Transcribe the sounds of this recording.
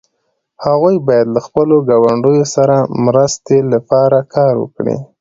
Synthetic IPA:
haɣujbɑjad̪laxpəloɡɑwaɳɖəjosaɾamɾəst̪elapɑɾakʰɑɾwə̰kɽḭ

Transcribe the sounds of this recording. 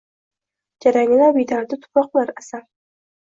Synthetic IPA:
d͡ʒaɾaŋɪlaɾbijd̪ad̪at̪ʰʊ̥pɾɒqlˠaɾasaɾ

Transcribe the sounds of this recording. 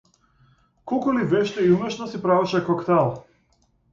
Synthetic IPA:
kɔlˠkulivɛʃt̪ɛiumɛʃnɔsipɾavɛʃɛkɔkt̪ɛlˠ

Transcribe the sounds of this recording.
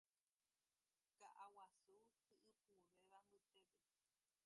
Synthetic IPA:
kaʔawasuhɨʔɨpuɾeʋambɨt̪epe

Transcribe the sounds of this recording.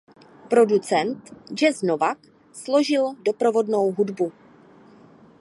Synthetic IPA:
pɾo̞dut͡sɛnt̪d͡ʒɛznovak | slo̞ʒɪldo̞pɾo̞vo̞dno̞wɦudbu

